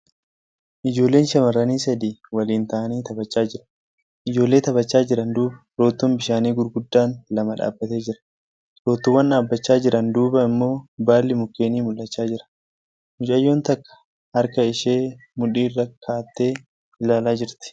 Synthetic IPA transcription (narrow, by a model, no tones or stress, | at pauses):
ʔɪd͡ʒo̞ːlːe̞ːnʃɐmɐrːɐniːsɐd̪iːwɐliːnt̪aːniːt̪ɐbɐt͡ʃːaːd͡ʒɪɾɐ | ʔɪd͡ʒo̞ːlːe̞ːt̪ɐbɐt͡ʃːaːd͡ʒɪɾɐnd̪uːbɐ̥ɾo̞ːt̪ːombɪʃaːniːɡʊɾɡʊd̪ːaːnlɐmɐᶑa̰ːbːɐt̪e̞ːd͡ʒɪɾɐ̥ | ɾo̞ːt̪ːʊwːɐnᶑaːbːɐt͡ʃːaːd͡ʒɪɾɐnd̪uːbɐɪmːo̞ːbaːlːɪmʊkːe̞ːniːmʊlːɐt͡ʃːaːd͡ʒɪɾɐ̥ | mʊt͡ʃʼɐjːo̞ːnt̪ɐkːɐ̥ | hɐɾkɐɪʃe̞ːmʊᶑiːrːɐkʰːaːt̪ːe̞ː | ɪlaːlaːd͡ʒɪɾt̪ɪ̥